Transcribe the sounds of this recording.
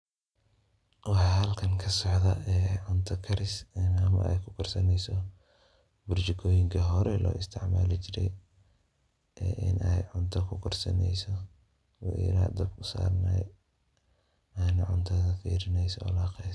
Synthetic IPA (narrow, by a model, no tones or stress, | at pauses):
wɑħɑːhɐlkʰɐŋkʰɐsɔʕðɐɛːʕʊnt̪ʰɐkʰɐɾɪsnɐmɐ̰ʔɛ̰jkʰʊkʰɐrsɐnɛjsɔ | bʊrt͡ʃɪkʰɔːjɪŋkʰɐɦɔɾɛlɔ̰ːɪst̪ʰɪʕmaːlɪt͡ʃɪɾɛ̰j | ʔɛːʔɪ̰nʔɛjʕʊnt̪ʰɐkʰʊkʰɐrsɐ̰nɛ̰jsɔ | w̰ɾa̰ːd̪ɐbkʰʊsa̰ːrnɛ̰j | aːnɐʕʊnt̪ʰɐðɐfḭːɾɪnɛjsɔ̰laːqɛ